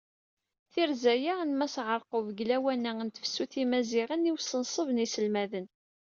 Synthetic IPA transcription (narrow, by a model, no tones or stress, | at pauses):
θiɾzæjanmæsʕəɾˤqovɡlæwænæənt̪ə̥fsːuθimæzɪʁənːiwsənsˤəvnisəlmæðən